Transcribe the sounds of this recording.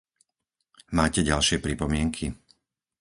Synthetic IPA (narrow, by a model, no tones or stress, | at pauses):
maːcɛɟalʃɪɛpɾipɔmɪɛŋkʰi